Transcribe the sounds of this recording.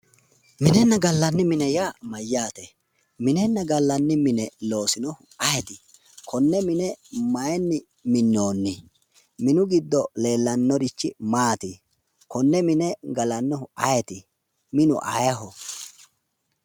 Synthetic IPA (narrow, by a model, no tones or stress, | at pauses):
mɪnɛnːɐɡɐlːɐnːɪmɪnɛjamɐjːaːt̪ɛ | mɪnɛnːɐɡɐlːɐnːɪmɪnɛlo̞ːsɪnɔhʊɐjɛt̪ɪ | kʰɔnːɛmɪnɛmɐjɛnːɪ | mɪnːo̞ːnːɪ | mɪnʊɡɪd̪ːɔle̞ːlːɐnːɔɾɪt͡ʃːɪ̰maːt̪ɪ | kɔnːɛmɪnɛɡɐlɐnːɔhʊɐjɛt̪ɪ | mɪnʊ̰ʔɐ̰jɐɦɔ